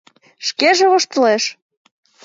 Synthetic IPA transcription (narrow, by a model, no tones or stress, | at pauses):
ʃkeʒeoʃt̪ə̆leʃ